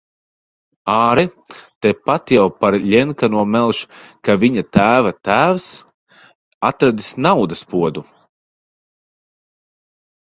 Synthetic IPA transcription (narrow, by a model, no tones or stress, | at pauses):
aːɾɛ | t̪ɛpat̪jawpaɾʎʲɛŋkanuɔmɛlˠʃkavʲiɲat̪æːvat̪æːws | at̪ɾad̪i̥snawd̪aspuɔd̪u